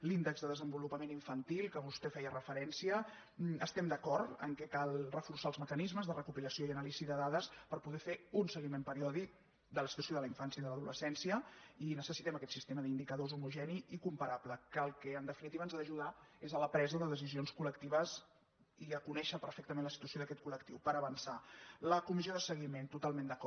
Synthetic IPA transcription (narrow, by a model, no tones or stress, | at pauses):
lind̪əɡzðəðəzəmbulupəmeniɱfənt̪ilˠkəβust̪ɛfɛjərəfəɾɛnsiə | əst̪ɛmd̪əkɔɾt̪ə̰ŋkɛkalˠrəfursaəlˠzməkənizməzðərəkupiləsijoiənaliziðəðaðəspəɾpuðɛfeunsəɣimempəɾiɔðik̚ | d̪ələsit̪uəsjoðələiɱfansjəiðələðuləsɛnsiəinəsəsit̪ɛməkɛt̪sist̪eməðind̪ikəðozumuʒɛniikumpəɾapləkəlˠkɛənd̪əfinit̪iβənzaðəʒuð̞aezələpɾɛzəðəðəs̬izionskuləkt̪iβəz | iəkunɛʃəpəɾfɛk̚t̪əmenləsit̪uəsioðəkɛt̪̚kuləkt̪iwpəɾəβənsaləkumizjoðəsəɣ̞iment̪ut̪alˠmend̪əkɔ